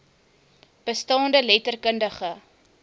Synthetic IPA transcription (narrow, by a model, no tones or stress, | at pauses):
b̥əstɑːndəlɛtərkəndəχə